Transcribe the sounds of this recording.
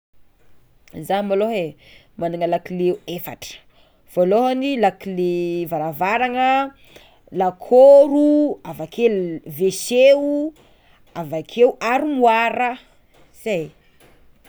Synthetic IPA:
zamoloɦe | manuŋəlakileuefa̰ʈ͡ʂə̥ | v̥oloɦanilakilevaɾavaɾaŋə | lakʰoɾuavakʰelveseu | avakʰeuʔaɾimuaɾə | saj

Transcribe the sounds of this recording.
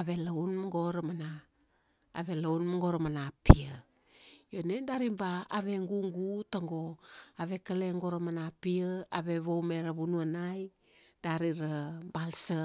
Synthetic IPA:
aβelaunmaŋɡoɾamana̰ː | βe̞launmaŋɡoɾamanapiə | jonendaɾimbaːβe̞ŋɡuŋɡutaŋɡoaβe̞kəleŋɡoɾamanapiəaβeβowmeɾaβunuanaj | d̥aɾiɾabalsə

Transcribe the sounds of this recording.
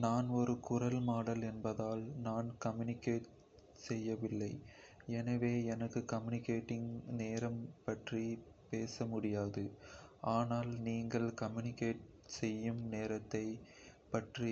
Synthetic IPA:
naːnɔɾɯkʊrɐlmaːɽɐlɛnbɐðaːlnaːnkɐmjʊnɪkːeːʈ | sɛjːɐʋɪlːɐɪ | ɛnɐʋeːɛnɐkːɯkɐmjʊnɪkːeːʈːɪŋneːɾɐmpɐʈri | peːsɐmʊɽɪjaːðɯaːnaːlniːŋɡɐɭkɐmjʊnɪkːeːʈ̚ | sɛjːɯmneːɾɐt̪ːɐɪ | pɐʈri

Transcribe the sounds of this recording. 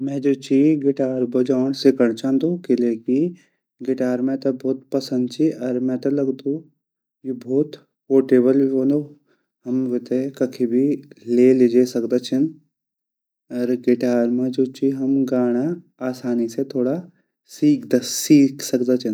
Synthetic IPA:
mɛ̃ːd͡ʒoːt͡ʃiɡɪʈaːɾbɐd͡ʒaːɳ̃sɪkəɽ̃t͡ʃʰãːnd̪oːkɪleːki | ɡɪʈaːɾmẽt̪ɐbʱɔːt̪pɐsə̃nd̪̚t͡ʃʰiʔɐɾmɛ̃t̪ɐlɐɡd̪o | jebɔːt̪ | poːʈeːbəlbʱiɦõːnd̪o | ɦɐmʋɪt̪ekɐkʰibʱileːlɪd͡ʒesɐkd̪at͡ʃʰɪn | ɐɾɡɪʈaːɾmẽd͡ʒoːt͡ʃiɦɐmɡaːɽ̃a | aːsaːniset̪ʰoːɽa | siːkʰd̪siːkʰsɐkd̪at͡ʃʰən

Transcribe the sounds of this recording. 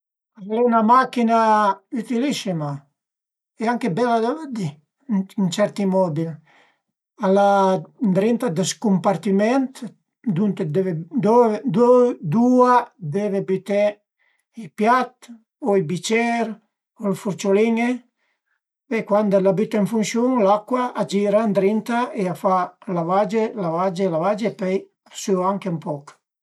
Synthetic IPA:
avalɛunamakinayt̪ilisima | ɛaŋkebɛlːad̪avad̪i | int͡ʃɛɾt̪imɔd̪i | aland̪ɾint̪ad̪əskumpaɾt̪imɛnt̪ | d̪unt̪ed̪ɛvd̪d̪ɔd̪uad̪evebit̪e | ipjat̪ | oibit͡ʃɛɾ | olfuɾt͡ʃoliŋe | ekwand̪elabyt̪eɱfunsjuŋlakːwaad͡ʒiɾand̪ɾint̪aeafalavad͡ʒelavad͡ʒelavad͡ʒepɛj | asyaŋkempɔk

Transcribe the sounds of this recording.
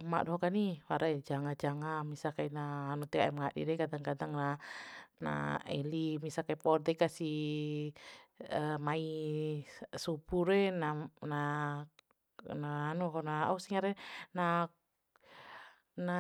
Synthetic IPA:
ma̰ʔdɔɦɔkaniwaɾaɛd͡ʒaŋad͡ʒaŋamisakainaːnut̪ɛkaɛmŋadḭɾɛkadaŋkadaŋna | na̰ɛ̰limisakaipɔd̪ɛkasi | əmai | supuɾɛnana | naːnukɔnaausiŋaɾɛna | na

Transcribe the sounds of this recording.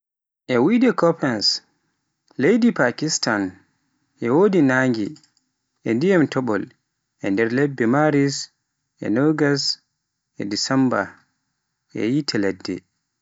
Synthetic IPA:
ʔɛwidɛkɔpɛns | lejdipakistan | ʔɛwoːdinaːŋɡi | ʔɛndijamtʰɔɓɔl | ʔɛndɛɾlɛbːɛmaɾis | ʔɛ̰nɔɡas | ʔɛ̰disɛmba̰ | ʔɛ̰jitʰɛlɛdːɛ̰

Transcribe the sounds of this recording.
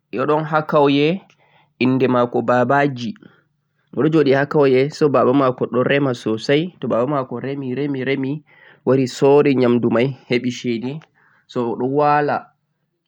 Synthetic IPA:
jɔɗɔnɦakːawjɛ | ʔinːdɛmakɔbabad͡ʒi | wɔɗɔd͡ʒoɗihakawjɛsɔbaɓamakɔɗɔɾɛmasɔsajtɔbaɓamakɔɾemiɾemiɾemi | waɾisɔɾɛɲamdumajheɓiʃedi | sɔɗɔwala

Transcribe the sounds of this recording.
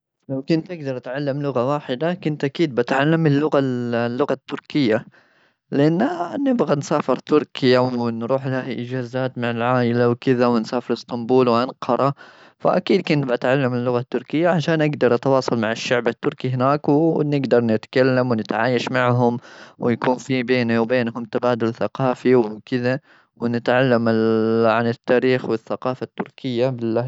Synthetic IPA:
lawkʊnt̪ʔaɡd̪ɑɾˤt̪ʕalːamlʊɣawaːħɪd̪akʊnt̪ʔakiːd̪̚bat̪ʕalːamɪlːʊɣalːʊɣat̪ːʊɾkɪjːa | lɪʔanːnɪbɣansaːfɪɾt̪ʊɾkʰɪjawɪnɾˤuːħlahaʔɪd͡ʒaːzaːt̪maʕɪlʕaːʔɪlawkɪðawɪnsaːfɪɾɪst̪ɑmbuːlwʔanqʰɑɾˤɑ | fa̰ʔakiːd̪̚kʊnbʔat̪ʕalːamɪlːʊɣat̪ːʊɾkɪjːaʕaʃaːnʔaɡd̪ɑɾˤʔɑt̪wɑːsˤɑlmaʕɪʃːaʕbat̪ːʊɾkiɦɪnaːkwnɪɡd̪ɑɾˤnɪt̪kalːamwnɪt̪ʕaːjaʃmaʕɦʊmwɪjakuːnfibeːniwbeːnhʊmt̪abaːd̪ʊlθaqɑːfiwkɪða | wɪnɪt̪ʕalːamɪʕanɪt̪ːaːɾiːxwɪθːaqɑːfat̪ːʊɾkʰɪjːabɪlːa

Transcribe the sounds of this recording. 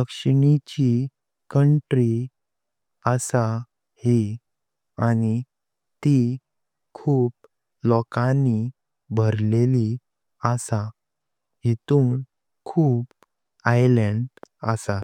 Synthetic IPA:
əkʂɳit͡ɕi | kəɳʈɾi | əsa | hi | añi | t̪i | kʰuːp̚ | lɔkãni | bʱəɾleli | əsa | ɦit̪uːn | kʰuːp | ajləɳɖə̰sat̪

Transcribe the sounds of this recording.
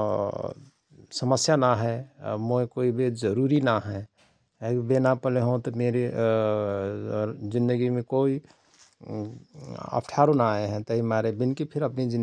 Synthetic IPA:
səməsjanaɦɛmoekoibezəɾuɾinaɦɛ | benapəleɦõt̪ɔmeɾe | zɪ̃nd̪əɡimẽkoːi | ə̰pʰʈʰaːɾõnaeɦɛ̃t̪əɦimaɾebɪnkipʰɪɾəpnid͡ʒɪ̃n

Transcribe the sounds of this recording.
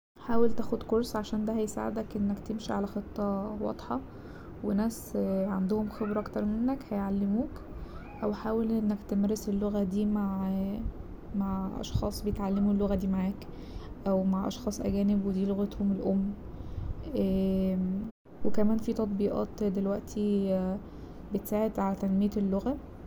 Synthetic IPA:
ħaːwelt̪æːxod̪koɾˤsˤʕaʃæːnd̪æhæjesa̰ʕḛd̪ækʔenːækt̪emʃiʕalæxet̪ˤːɑwɑ̰d̪ˤħɑ | wenæːsʕand̪ohomxebɾʔɑkt̪ɑɾˤmenːækhæjʕalːemuːk | ʔæwħaːwelʔenːækt̪emæɾeselːoɣæd̪iːmaʕ | maʕʔɑ̰ʃxɑ̰ːsˤbejet̪ʕalːemulːoɣæd̪iːmaʕaːk | ʔæwmaʕʔɑ̰ʃxɑːsˤʔæ̰ɡæːnebwed̪iːloɣet̪homelʔomː | wekæmæːnfiːt̪ɑt̪ˤbiːʔɑ̰ːt̪d̪elwæʔt̪ʰi | bet̪saːʕed̪ʕalæt̪ænmejælːoɣæ

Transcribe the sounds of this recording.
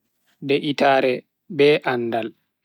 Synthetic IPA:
dɛʔitaːɾɛ | bɛʔanːdal

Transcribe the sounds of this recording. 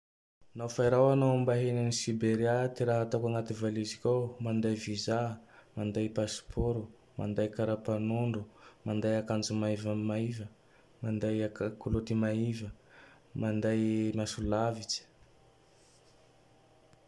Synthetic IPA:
nawfaiɾawanambaɦenanisibeɾiat̪iɾaɦat̪awkaŋat̪ivalizikʲawmand̪ajvizamand̪ajpaspʰoɾu | ma̰nd̪ajkaɾapanuɳɖ͡ʐumand̪ajakand͡zumaivamaivə | mand̪ajakakulut̪imaivə | mand̪ajmasulavit͡ʃi̥

